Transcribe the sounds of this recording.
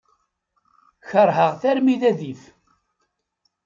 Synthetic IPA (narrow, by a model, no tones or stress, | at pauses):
çəɾˤɦəʁθæɾmiðæðif